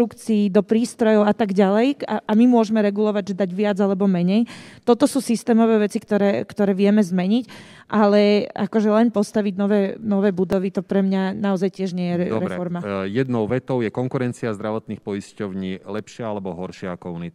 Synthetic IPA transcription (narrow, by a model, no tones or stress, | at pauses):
ukt͡siːd̪ɔpɾiːst̪ɾɔjɔʊat̪aɡɟalɛjaʔamimʊɔʒɛmɛɾɛɡulɔʋaɟʒɛd̪aɟʋɪad͡zalɛbɔmɛɲɛjt̪ɔt̪ɔsuːsist̪ɛːmɔʋɛːʋɛt͡sikt̪ɔɾɛːkt̪ɔɾɛːʋɪɛmɛzmɛɲic | ʔalɛakɔʒɛlɛnpɔst̪aʋiɟnɔʋɛːnɔʋɛːbud̪ɔʋit̪ɔpɾɛmɲanaɔzajcɪɛʒɲɪɛjɛɾɛɾɛɾffɔɾmajɛd̪nɔʊʋɛt̪ɔʊjɛkɔŋkuɾɛnt͡siazd̪ɾaʋɔt̪nixpɔjiscɔʊɲiːlɛpʃɪaalɛbɔɦɔɾʃɪaakɔunit̪